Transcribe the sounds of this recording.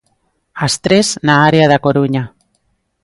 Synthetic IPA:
ast̪ɾe̞znaːɾeaðako̞ɾuɲa

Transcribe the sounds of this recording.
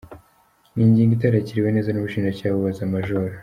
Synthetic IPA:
niːɲɟiːŋɡit̬aɾaciɾiwene̞ːzanuβuʃiːnd͡ʒacaːβuβazamaʒoɾa

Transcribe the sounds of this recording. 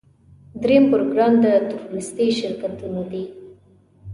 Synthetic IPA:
d̪ɾempoɾoɡɾɑmd̪ət̪ʊɾuɾɪst̪iʃɪɾkat̪unod̪e

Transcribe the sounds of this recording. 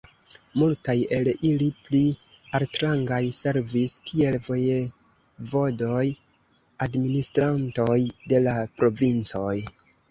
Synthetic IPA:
multaje̞liliplialtɾaŋɡajse̞ɾviskʰie̞lvo̞je | vo̞do̞j | administɾanto̞jde̞lapɾo̞vint͡so̞j

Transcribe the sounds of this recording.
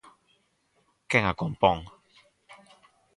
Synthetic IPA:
kɛŋakɔmpɔŋ

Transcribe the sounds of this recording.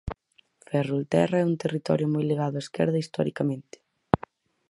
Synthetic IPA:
fɛrult̪ɛrɐɛunt̪erit̪ɔ̰ɾjʊmɔjliɣaðʊaeskɛ̰ɾðɐist̪ɔ̰ɾikamẽnt̪ɪ̥

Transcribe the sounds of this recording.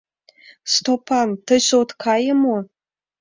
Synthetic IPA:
st̪opɑnt̪ə̆ɕot̪kʰɑjəmo

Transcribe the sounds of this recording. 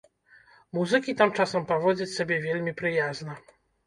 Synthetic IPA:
muzɨkʲit̪amt͡ʂasɐmpɔvɔd͡ʑʲit͡ɕʲsɔbʲɛvʲɛlʲmʲipɾɨjazna

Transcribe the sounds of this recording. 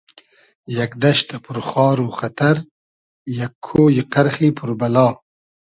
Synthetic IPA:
jɐkd̪ɐʃt̪ʰɐpʰuɾχɑːɾuxɐt̪ɐɾ | jakʰːoːjiqɐɾxiːpʰuɾbɐlɑː

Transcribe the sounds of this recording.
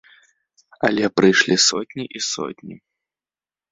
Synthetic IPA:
ɐ̰lʲɛpɾɨjʂlʲisɔt̪ʲnʲiʔisɔ̰tʲnʲḭ

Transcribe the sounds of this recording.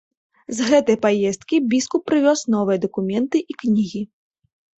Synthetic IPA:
zɣɛt̪ɐjpajɛst̪̚kʲibʲiskupːɾɨvʲɔsnɔvɨjɐd̪ɐkumʲɛnt̪ɨʔiknʲiɣʲi

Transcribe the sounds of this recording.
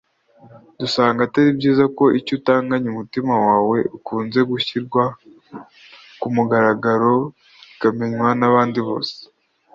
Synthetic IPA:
dusaːŋɡataɾibɟiːzako̞ʔicutaːŋɡaɲumutimawaːwe̞ʔukuːnze̞ɡuçiɾɡwa | kumuɡaɾaɡaɾo̞ | ikame̞ɲwanaβaːndiβo̞̰ːse̥

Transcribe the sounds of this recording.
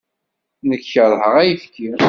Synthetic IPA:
nəkçəðˤɦəʁæjəfkːi

